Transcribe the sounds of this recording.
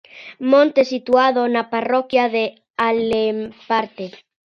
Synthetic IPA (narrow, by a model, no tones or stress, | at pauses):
mõnt̪esit̪uaðonaparokjaðe | alempaɾt̪e